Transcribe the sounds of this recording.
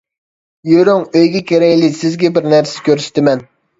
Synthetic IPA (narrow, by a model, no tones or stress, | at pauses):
joɾoŋøjɡʲɛkʲeɾɛjʲlɪsɪzɡʲɛbɪɾnæɾsɛkʲøɾsɪ̥t̪ɪmɛn